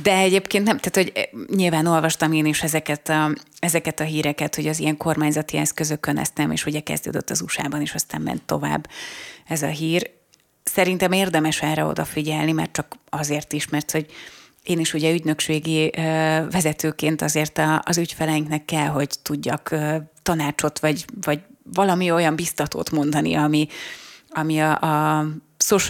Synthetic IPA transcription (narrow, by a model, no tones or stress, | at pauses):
d̪ɛɛɟeːpkeːnt̪nɛmt̪aːt̪ho̞ɟɲilvaːno̞lvɒʃt̪ɒmeːniʃɛzɛkɛt̪ɒɛzɛkɛt̪ɒɦiːɾɛkɛt̪ho̞ɟɒzijɛŋko̞rmaːɲzɒt̪iɛskøzøkønɛ̰st̪ɛmḛːʃuɟɛkɛ̰zd̪ø̰ːd̪ø̰t̪ːɒzuʃa̰ːbɒniːʃɒst̪aːmːɛ̰nt̪ːo̞̰va̰ːbːɛzɒ̰ɦiːr | sɛɾin̪t̪ɛmeːrd̪ɛmɛʃɛːrɛo̞̰d̪ɒfiɟɛlnimɛ̰rt͡ʃɒkɒzeːrt̪iʃmɛrt̪ho̞ɟ | eːniʃuɟɛyɟnø̞kʃeːɡi | vɛzɛt̪øːkeːnt̪ɒzeːrt̪ɒːzycfɛlɛjiŋknɛkːɛlɦo̞ɟt̪uɟːɒkøːt̪ɒnaːt͡ʃo̞t̪ʋɒɟvɒɟvɒlɒmio̞jɒmbist̪ɒt̪o̰ːt̪mo̞nd̪ɒnḭɒmi | ɒmiɒʔɒ | soʃ